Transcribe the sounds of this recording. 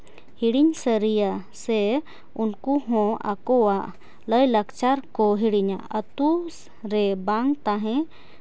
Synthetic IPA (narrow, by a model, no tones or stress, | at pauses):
hiɽiɲsəɾijasɛ | unkuɦɔ̃a̰kɔwaʔ | ləjləkt͡ʃaɾkɔɦiɽiɲa̰ət̪us | ɾɛbaŋt̪aɦɛ̃